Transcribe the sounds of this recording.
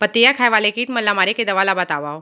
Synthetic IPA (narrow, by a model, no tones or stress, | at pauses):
pɐt̪ːejakʰaːjʋaːlekiːʈmɐlːamaːɾeked̪ɐʋaːlabɐt̪aːʋaːo